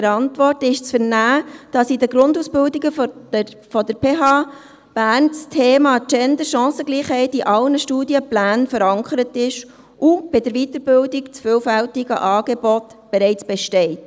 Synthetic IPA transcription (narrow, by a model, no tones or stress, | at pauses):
əɾɑntʋɔrtɪʃt͡sfəɾnæːd̥ɑsidəɡɾʊnduːsb̥ɪldiɡəf | fɔdəɾpʰeːɦɑː | b̥æːrnt͡stʰeːmɑːt͡ʃɛndəɾʃɑ̃ːsəɡliːχhɛɪtiʔɑlnəʃtuːdjəplæːnfəɾɑŋkʰəɾətɪʃ | ʔub̥ɪdəɾʋitəɾbɪldikt͡sfʏːlfɛltiɡə̰ʔɑːɡ̥ebɔtb̥ɛɾɛɪt͡sb̥ɛʃtɛɪt